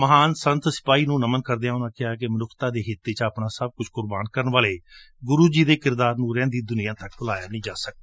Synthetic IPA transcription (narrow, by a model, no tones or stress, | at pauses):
məɦaːnsənt̪sɪ̥paːiːnũːnəmənkəɾd̪eãːnãːkɪaːk̬ɪmənʊkʰt̪ãːd̪eːɦɪt̪ːeːt͡ʃəpnãːsəb̚kʊt͡ʃʰkʊɾbaːnkəɾnʋaːleː | ɡʊɾuːd͡ʒiːd̪eːkɪɾd̪aːɾnũːɾɛ̃ːnd̪iːd̪ʊniːãːt̪ək̚bʊlaːjaːnəĩːd͡ʒaːsək̚d̪aː